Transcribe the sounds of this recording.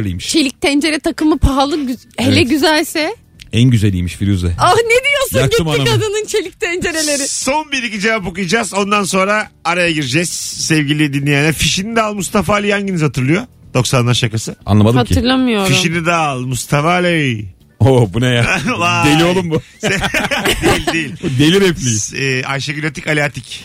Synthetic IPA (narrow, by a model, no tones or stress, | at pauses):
lʲḭjmiʃt͡ʃʰe̞lʲic̚t̪ʰænd͡ʒe̞ɾɛt̪ʰakɯmɯpʰaɦalˠɯɟ | helʲɛɟyzælʲsɛ | ænɟyzelʲḭjmiʃfiɾyzɛaned̪ijo̞sunaɟiɯmaaad̪anɯnt͡ʃʰe̞lʲic̚t̪ʰænd͡ʒe̞ɾe̞lʲeɾɪso̞nbiɾicid͡ʒe̞vapo̞kujad͡ʒaːzo̞nd̪anso̞nɾaːɾajaɡiɾd͡ʒɛzsɛvɟilʲijd̪inlʲːijanɛfiʃinid̪aːlˠmust̪afaːlʲijanɟinizhat̪ʰɯɾlˠɯjo̞d̪̥o̞ksanlaɾʃakasɯa̰nlˠamad̪atʰɯɾlˠamɯjoɾfiʃinid̪alˠmust̪ʰafalʲɛ | obunajalad̪elʲiolˠumbused̪eilʲd̪ejilʲd̪elʲiɾɛplʲiːajʃaɡilʲot̪ʰikalʲat̪ʰic